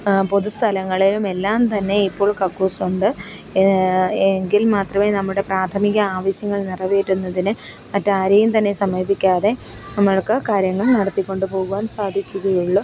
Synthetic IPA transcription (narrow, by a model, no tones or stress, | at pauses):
po̞ðust̪ʰɐlɐŋːɐɭilumelːaːmt̪ɐnːe̞ipːo̞ːɭkɐkːoːsuɳɖɨ | eŋɡilmaːt̪rɐmeːnɐmːuɽe̞praːt̪ʰɐmiɣɐaːʋɐɕjɐŋːɐɭnirɐʋejʈːunːɐðinɨ | mɐtːaːɾɐjumt̪ɐnːe̞sɐmɐjɐbʱikʲːaːðe̞ | nɐmːɐɭkɐkaːɾjɐŋːɐɭnɐɽɐt̪ːikʲːo̞ɳɖɨpo̞ːɣuʋaːnsaːd̪ʱikʲːuɣɐjuɭːu